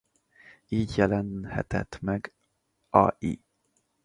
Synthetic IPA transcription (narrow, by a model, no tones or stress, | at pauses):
iːɟjɛlɛnhɛ̰t̪ɛt̪mɛɡ | ɒi